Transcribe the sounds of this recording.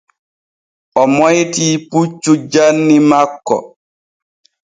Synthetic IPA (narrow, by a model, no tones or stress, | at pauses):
ʔɔmɔjtiːput͡ʃːud͡ʒanːimakːɔ̰